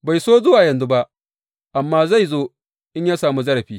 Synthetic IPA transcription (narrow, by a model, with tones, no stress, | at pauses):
ba˨jsoː˦zʊ˦waː˨jɐ˨nzu˦ba˦ʔ | ʔa˨mːaː˦za˦˨jzoː˦ | ʔɪ˦ɲjaː˦saː˨mu˦zɐ˦ɽɐ˨ɸiː˦